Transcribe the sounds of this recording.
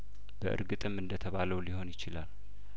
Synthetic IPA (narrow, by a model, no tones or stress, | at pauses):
b̥əʔɨ̰ɾɡɨt̪ʼɨmɨnd̪ət̪ʰəβaləwliho̞njɪt͡ʃɪla̰l